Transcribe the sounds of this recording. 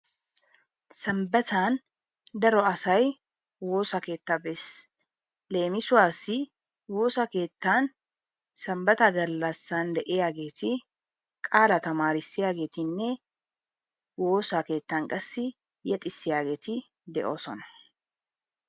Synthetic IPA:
sɐmbɐt̪aːn | d̪ɐɾɔɐsɐj | woːsɐke̞ːt̪ːaːbɛs | le̞ːmɪsʊwaːsːɪ | wo̞ːsake̞ːt̪ːaːn | sɐmbɐt̪ɐɡɐlːɐsːand̪ɛʔɪjaːɡe̞ːt̪ʰɪ | kʼaːlɐt̪ɐmaːɾɪsːɪjaːɡe̞ːt̪ɪnːɛ | wo̞ːsake̞ːt̪ːaːŋkʼɐsːɪ | jɛt̪ʼɪsːɪjaːɡe̞ːt̪ɪ | d̪ɛʔo̰ːsɔ̰nɐ

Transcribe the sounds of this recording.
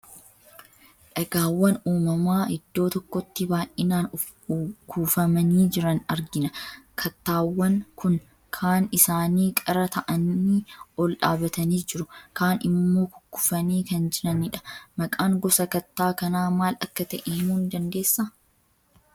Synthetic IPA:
ᶑɐɡaːwːɐnuːmɐmaːhɪd̪ːo̞ːt̪ɔkːɔt̪ːɪbaːʔʔɪnaːnʊ | kuːfɐmɐniːd͡ʒɪɾɐnɐɾɡɪnɐkʰɐt̪ːaːwːɐnkʊn | kʰaːnɪsaːniːkʼɐɾɐt̪ɐʔɐnːiɔlᶑa̰ːbɐt̪ɐniːd͡ʒɪɾʊkaːnɪmːo̞ːkʊ̥kːʊ̥fɐniːkɐnd͡ʒɪɾɐnɪᶑɐ̥mɐkʼaːŋɡɔsɐkɐt̪ːaːkɐnaːmaːlɐkːɐt̪ɐʔeːmuːnd̪ɐnd̪e̞ːsːɐ

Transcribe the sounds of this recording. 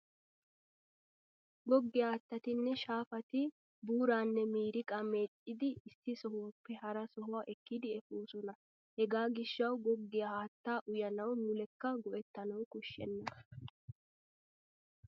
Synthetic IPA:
ɡɔɡːɪjaːt̪ːɐt̪ɪnːɛʃaːfɐt̪ɪ | buːɾaːnːɛmiːɾɪkʼɐmeːtʼːɪd̪ɪːsːɪsɔhwpːɛɦɐɾɐsɔɦʊwaːʔɛkːɪd̪ɪɛfuːsɔnɐ | hɛɡaːɡɪʃːɐwɡɔɡːɪjɐhaːt̪ːaːʔʊjɐnɐwnʊlɛkːɐɡɔʔɛt̪ːɐnɐwkʊʃːɛ̰nːɐ

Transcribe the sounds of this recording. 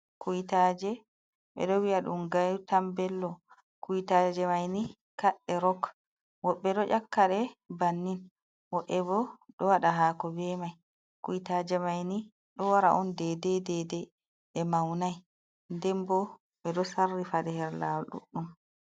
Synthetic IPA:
kujitaːd͡ʒɛ | ɓɛ̰ɗɔwiaɗumɡajutambɛlːɔ | kujitad͡ʒɛmajni | kaɗːɛɾɔk | wɔɓːɛɗɔʔakːaɗɛbanːin | wɔʔɛbɔɗɔwaɗaɦaːkɔbɛmaj | kujitad͡ʒɛmajni | ɗɔwaɾa̰ʔɔndɛdɛdɛdɛ | ɛmawnaj | ndɛmbɔ | ɓɛɗɔsarːifaɗɛhɛɾlaɗṵɗum

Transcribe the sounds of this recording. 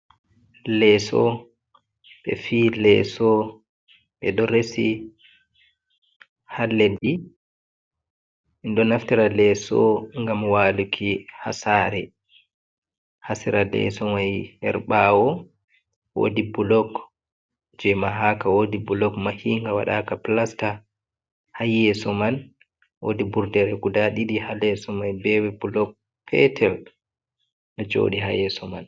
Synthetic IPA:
lɛsɔ̰ | ɓɛ̰fiːlɛ̰sɔ | ɓɛɗɔɾesi | halːedi | ndɔnaftiɾalɛsɔ̰ŋɡamwalukʰiha̰saɾɛ | hasiɾalɛ̰sɔmajhɛ̰ɾɓawɔ | wo̰dibulɔk | d͡ʒɛmaɦaːkawodibulɔkmahiŋɡawa̰ɗakaplasta | hajːɛsɔman | wo̰dibuɾdɛɾɛɡudaɗiɗihalɛsɔmajbɛwɛbulɔk̚ | pʰɛtʰɛl | ŋad͡ʒo̰ːɗiɦa̰jɛsɔma̰n

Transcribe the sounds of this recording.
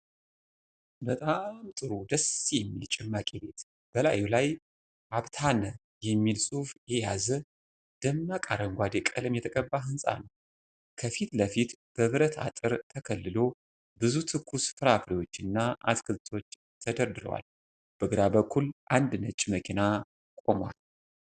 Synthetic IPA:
bət̪ʼamt̪ʼɨɾud̪əsijɛmːilt͡ʃʼɪmːakʼebe̞t̪ | b̥əlajulaj | ʔaβt̪ʰanə | jɛmːilsʼufjejazə | d̪̥əmːakʼaɾəŋɡʷad̪ekʼəlɨmjɛt̪ʰəkʼəbːaɦɨnsʼa̰nəw | kʰəfit̪ləfit̪b̥əβɾət̪ʰa̰t̪ʼɨɾt̪ʰəkʰəlːɨlo̞ | bɨzut̪ʰɨkːusfɨɾafɾiwo̞t͡ʃːɨnːaʔa̰t̪kʰɨzt̪ʰo̞t͡ʃː | t̪ʰəd̪əɾd̪ɨɾə̰wa̰l | b̥əɡɨɾabəkʰːulʔand̪nət͡ʃʼːməkʰina | kʼo̞mwa̰l

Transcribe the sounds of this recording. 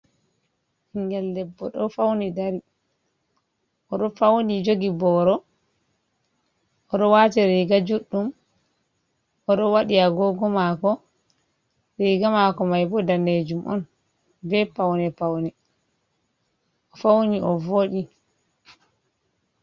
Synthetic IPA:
hiŋɡɛldɛbːɔɗɔfawnidaɾi | ʔɔɗɔfawnid͡ʒoɡibɔɾɔ | ʔɔɗɔwaːtɛɾiɡad͡ʒuɗːum | ʔɔɗɔwaɗiaɡɔɡɔmakɔ | ɾiɡamakɔmajbɔdaned͡ʒumʔɔ̰n | bɛpawnɛpawnɛ | ʔɔfawniʔɔvoɗi

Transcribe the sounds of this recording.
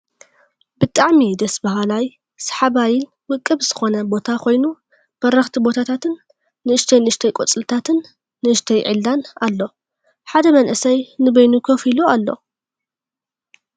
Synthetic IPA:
bɨt̪ʼaʕmid̪ɐsbɐɦalaj | sɐ̥ħaβajɪl | wɨkʼːɨβz̥ɨxo̞nɐbo̞t̪ʰakʰo̞jnu | b̥ɐɾɐxt̪ʰibo̞t̪ʰat̪ʰat̪ʰɨnː | ɨɨʃt̪ʰɐjnɨɨʃt̪ʰɐjkʼot͡sʼɨlt̪ʰat̪ʰɨnː | ɨʔɨʃt̪ʰɐjʕɨlːanalːo̞ | ħad̪ɐmɐnʔɨsɐjnɨbɐjnukʰofilualːo̞̰

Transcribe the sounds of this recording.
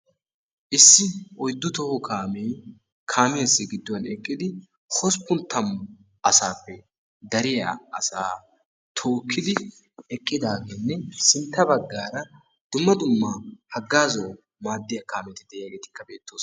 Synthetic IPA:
ʔɪsːɪɔjd̪ːʊt̪ɔhɔkʰaːmej | kʰaːmeːsːɪɡɪd̪ːɔwɐnɛkʼːɪd̪ɪ | hɔspːʊnt̪ːɐmː | ʔɐsaːpːɛ | d̪ɐɾɪja̰ɐsaː | t̪ʰo̞ːkʰːɪd̪ɪ | ɛkʼːɪd̪aːɡeːnːɛsɪnt̪ːɐbɐɡːaːɾɐ | d̪̥ʊmːɐd̪ʊmːahɐɡːaːzɔw | maːd̪ːɪjɐkaːmɛt̪ɪd̪ɛʔɪjaːɡe̞ːt̪ɪ̥kːɐbe̞ːt̪ːo̞ːs

